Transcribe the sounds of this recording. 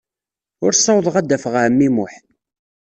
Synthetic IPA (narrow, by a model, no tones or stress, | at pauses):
ʊɾsˤːɑwðˤəʁæd̪ːæfəʁaʕəmːimʊħ